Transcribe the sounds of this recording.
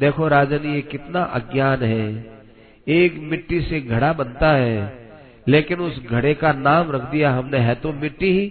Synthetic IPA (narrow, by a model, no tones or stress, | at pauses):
d̪eːkʰoɾaːd͡ʒanijekɪt̪naʔɐɡjaːnɦɛː | eːkmɪʈːiseɡʱɐɽabɐnt̪aɦɛː | leːkɪnʊsɡʱɐɽekanaːmɾɐkʰd̪ijaɦɐmneɦɛt̪omɪʈːiɦi